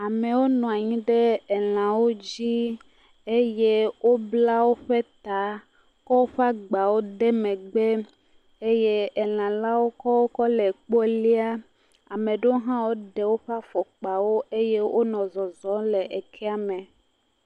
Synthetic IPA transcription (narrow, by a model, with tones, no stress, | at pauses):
a˨mẽ˨wo˦nɔ̃˨a˨ɲĩ˦ɖe˦ɛ˨l̃ã˨wo˦d͡ʑi˦ | e˦je˦wo˦bla˦wo˦ɸe˦t̪a˨ | kɔ˦wo˦ɸa˦ɡ͡ba˨wo˦de˦mẽ˨ɡ͡be˦ | e˦je˦ɛ˨l̃ã˨la˦wo˦kɔ˦wo˦kɔ˦le˨k͡po˦e˦li˦a˦ | a˨mẽ˨ɖo˦o˦ɦã˦wo˦ɖe˨wo˦ɸa˦fɔ˨k͡pa˨wo˦e˦je˦wʔo˦nɔ̃˨zɔ˨zɔ˦le˨ʔe˨kʰɛ˦a˨mɛ̃˨